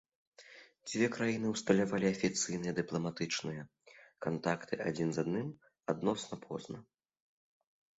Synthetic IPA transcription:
d͡zʲvʲɛkɾajinɨwst̪ɐlʲavalʲiɐfʲit̪sɨjnɨjɛd̪ɨplˠɐmat̪ɨt͡ʂnɨjɐ | kant̪akt̪ʰɨʔad͡zʲinzad̪nɨm | ad̪nɔsnɐpʰɔ̰znɐ

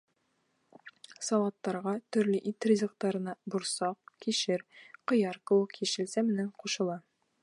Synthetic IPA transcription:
sɑlˠɑt̪ːɑɾʁɑt̪ɵ̆ɾlɘʔit̪rʲizʲɤ̆q̚t̪ɑɾɤ̆nɑbuɾsɑqkiʃɘɾqŏjɑɾkɤ̆wɤqjɘʃɘ̆lsæmɘ̆næɴquʃɤ̆lˠɑ

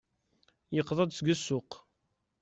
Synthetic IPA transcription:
jəqːðˤɑd̪ˤsɡəsːʊq

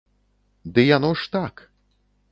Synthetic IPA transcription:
d̪ɨjanɔʂt̪ak

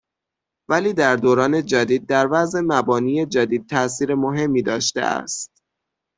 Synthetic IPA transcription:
væliːd̪æɾd̪oːɾɒːne̞d͡ʒæd̪iːd̪̚ːæɾvæzʔe̞mæbɒːniːje̞d͡ʒæd̪iːd̪̚t̪ʰæʔsiːɾe̞moɦe̞mːiːd̪ɒːʃt̪ḛæ̰st̪̚

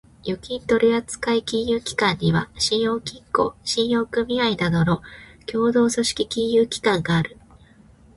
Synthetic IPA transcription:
jokʲĩnt̪o̞ɾʲiat͡sɨ̥kaikʲĩɰjɯːkʲi̥kãɲ̟ːiβaɕĩɰ̃jo̞ːkʲĩŋko̞̰ɕĩɰ̃jo̞ːkɯ̟mʲiaid̪ad̪o̞ɾo̞kʲʰo̞ːd̪o̞ːso̞ɕi̥kʲikʲĩɰjɯːkʲi̥kãŋɡaːɾɯ̟

